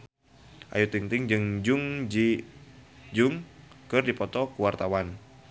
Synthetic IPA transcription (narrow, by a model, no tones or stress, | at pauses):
ʔa̰jut̪iŋt̪iŋd͡ʒɨŋd͡ʒuŋd͡ʒi | d͡ʒuŋ | kɨrdipɔt̪ɔkuwart̪awan